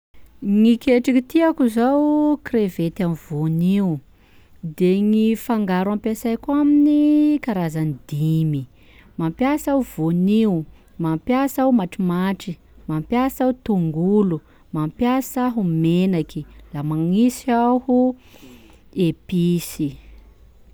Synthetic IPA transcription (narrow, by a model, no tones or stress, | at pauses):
ŋikʲeʈ͡ʂikit̪iakuzawkrevet̪amvoniu | d̪eŋifaŋɡaɾampasajkaminikaɾazanid̪imi | mampjasauv̥oniu | mampjasaumaʈ͡ʂimaʈ͡ʂi | mampjasaut̪uŋɡulu | mampjasaɦumenakilamaŋisahu | episi